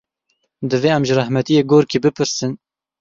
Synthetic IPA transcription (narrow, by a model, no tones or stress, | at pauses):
d̪ɨveːæmʒɨrɛhmɛt̪ijeːɡoːɾkiːbɨpʰɨɾsɨn